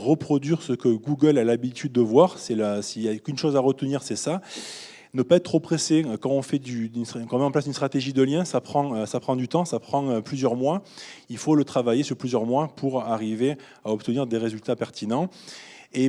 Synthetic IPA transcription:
ʁəpχɔd̪ɥiʁsəkəɡuɡəlalabit̪ʰyd̪̚ːəvwaʁsɛlasiljakynʃozaʁət̪əniʁsɛsa | nəpaɛt̪t̪ːχopχesekɑ̃ɔ̃fɛd̪yynkɔ̃mɛɑ̃plasynst̪χat̪eʒid̪əljɛ̃sapχɑ̃øsapχɑ̃d̪yt̪ɑ̃sapχɑ̃øplyzjœʁmwailfolət̪χavajesyʁplyzjœʁmwapʰuʁaʁive | aɔp̚t̪əniʁd̪eʁezylt̪apɛʁt̪ʰinɑ̃ | e

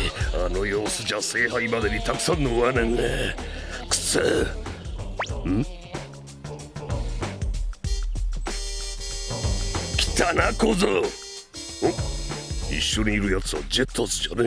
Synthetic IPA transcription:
ano̞joːsɨd͡ʑaseːɦaimad̪eɲ̟it̪akɯ̥sãnːoβanẽnːe | kɯ̥t͡se | kʲi̥t̪anakozo | o | ḭɕːo̞ɲ̟iːɾɯ̟jat͡sɨa̰d͡ʑe̞t̪ʰːosɨ̥ɕone

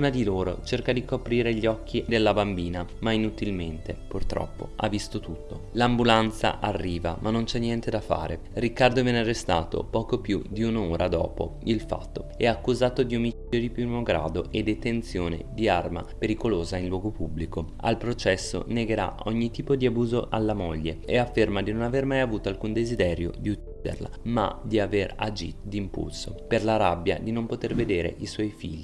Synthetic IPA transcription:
unad̪iloːɾo̰t͡ʃerkad̪ikopɾiːɾeʎːɔkʰːid̪elːabambiːnamainut̪ilment̪epurt̪ɾɔ̰pːo̰a̰vːist̪ot̪ut̪ːolambulant̪sa̰ʔarːiːva̰mʔanːont͡ʃɛnːjɛnt̪ed̪afa̰ːɾʔḛ | rikːard̪ovɛnearːest̪a̰ːt̪o̰pɔːkopjud̪iunoːɾʔad̪ɔ̰ːpo̰ilfa̰t̪ːoɛakːuzaːt̪od̪iumit͡ʃod̪ipjunoɡɾa̰ːd̪oʔed̪ːet̪ent̪sjoːnḛd̪iarma̰peɾikoloːzainlwɔːɡopubːliko | a̰lpɾot͡ʃɛsːo̰neɡeɾa̰ʔɔɲːit̪iːpod̪iabuːzoʔalːamoʎːeeafːermad̪inonavermajavuːt̪oalkund̪ezid̪ɛːɾjo̰d̪iut͡ʃːiːd̪ḛrla̰ma̰d̪iavera̰d͡ʒḭt̪od̪impṵlsoperlaɾabːja̰d̪inompot̪erved̪eːɾḛʔiswɔjfḭʎːi

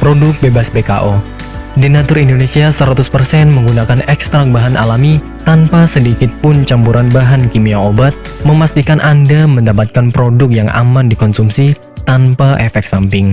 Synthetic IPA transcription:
pɾodʊk̚bebasbeka̰ʔo | dinat̪ʊɾindonesiasəɾat̪ʊspərsɛnməŋɡunakanɛkst̪ɾak̚baɦanʔa̰lami | t̪anpasədikɪt̪̚pʊnt͡ʃampuɾanbaɦankimiaobat̪̚ | məmast̪ikanʔandaməndapat̪̚kanpɾodʊk̚jaŋʔa̰mandikɔnsumsi | t̪anpaʔɛfɛk̚sampɪŋ

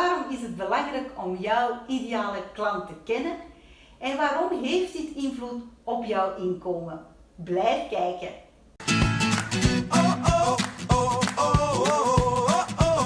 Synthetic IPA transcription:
aːɾɔmɪsəd̚bəlɑŋɾɛkʰɔmjœwideaːləklɑntəkɛnən | ɛnʋaːɾɔmɦeːftdɪtɪnvlutɔpjœwʔɪnkoːmən | blɛjfkɛːjkə̰n

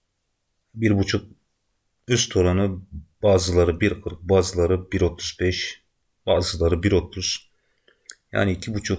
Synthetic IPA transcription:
biɾbut͡ʃʰuk̚ | yst̪ʰoɾanɯbaːzɯlˠaɾɯbiɾkʰɯɾk̚baːzɯlˠaɾɯbiɾo̞t̪ʰuzbɛʃ | b̥aːzɯlˠaɾɯbiɾo̞t̪ʰuz̥ | ja̰ːniicʰibut͡ʃʰuk

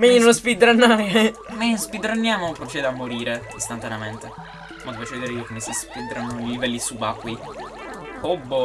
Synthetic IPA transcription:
meɲːinonspid̪ɾanːaj | mespid̪ɾanːjaːmopɾot͡ʃɛːd̪eamːoɾiːɾeist̪ant̪aneament̪e | mad̪evat͡ʃeed̪iɾeiːokomːesispid̪ɾanolivɛlːisubakːwi | obːo

